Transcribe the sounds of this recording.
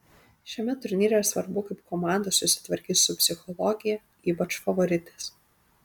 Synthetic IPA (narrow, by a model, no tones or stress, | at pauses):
ʃʲɛmʲɛt̪ʊɾʲnʲiːɾʲɛɾɐsʋɐɾbʊkɐɪp̚kɔmɑˑnd̪ɐssʊsʲɪ̥t̪ʋɐɾʲkʲiːt̪sʊpʲsʲɪxɔlˠɔɡʲɪjɛ | iːpɐt͡ʃfɐʋɔɾʲɪt̪ʲɛːs